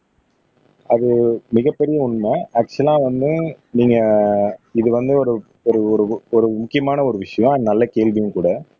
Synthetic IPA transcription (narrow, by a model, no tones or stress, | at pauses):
ɐðɯmɪɣɐpːɛɾɪjɐʊɳmɐɐk̚t͡ʃɛlãːʋɐnd̪ɯ | niːŋɡɐ | ɪðɯʋɐnd̪ɯɔɾɯ | ɔɾɯɔɾɯɔɾɯmʊkːɪjɐmaːnɐɔɾɯʋɪʂɐjɔ̃ɐnɐlːɐkeːlʋɪjʊ̃kuːɽɐ